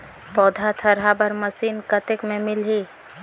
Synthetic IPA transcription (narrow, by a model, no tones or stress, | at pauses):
pɔːd̪ʱat̪ʰɐɾɦabɐɾməsiːnkət̪ɪkmẽmɪlɦiː